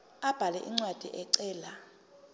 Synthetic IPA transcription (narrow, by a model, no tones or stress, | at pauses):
ab̥ʱalɛ̰ʔiŋ͡ǀwad̥ʱiʔɛǀɛːla